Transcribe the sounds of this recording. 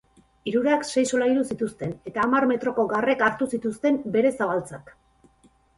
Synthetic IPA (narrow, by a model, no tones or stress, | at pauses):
iɾuɾakse̞jso̞laiɾusit̪ust̪e̞ne̞t̪aːmaɾme̞t̪ɾo̞ko̞ɡare̞kaɾt̪usit̪ust̪e̞mbe̞ɾe̞saβalt͡sak